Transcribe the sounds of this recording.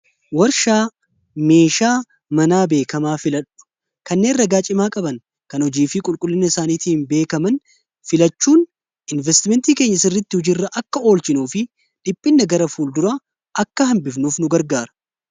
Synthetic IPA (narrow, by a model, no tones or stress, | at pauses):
wɐɾʃaː | me̞ːʃaː | mɐnaːbe̞ːkɐmaːfɪlɐᶑʊ̥ | kɐnːe̞ːnrɐɡaːt͡ʃʼɪmaːkʼɐbɐn | kɐnɔd͡ʒiːfɪkʼʊlkʼʊlːɪnːɐɪsaːniːt̪iːnbe̞ːkɐmɐn | fɪlɐt͡ʃːuːn | ɪnvɛst̪ɪmɛnt̪iːkeːɲːɐsɪrːɪt̪ːɪhʊd͡ʒɪrːɐʔɐkːɐo̞ːlt͡ʃɪnuːfɪ | ᶑɪpʼːɪnːɐɡɐɾɐfuːld̪ʊɾa | ʔɐkːɐhɐmbɪfnuːfnʊɡɐɾɡaːɾɐ̥